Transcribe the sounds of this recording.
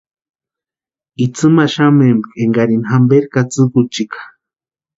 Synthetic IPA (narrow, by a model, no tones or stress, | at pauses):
it͡sʰɨmaʃamembkeŋɡaɾinɦambeɾkat͡sɨkut͡ʃikḁ